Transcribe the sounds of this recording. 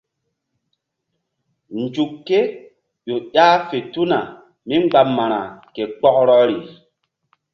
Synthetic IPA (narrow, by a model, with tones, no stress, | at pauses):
nd͡ʒu˨kːe˦ | ɓo˨ɗaː˦fe˨tu˦na˨ | mi˦ŋ͡mɡ͡ba˨mːa˨ɾa˨ke˨k͡pɔ˦kɾɔ˦ɾi˨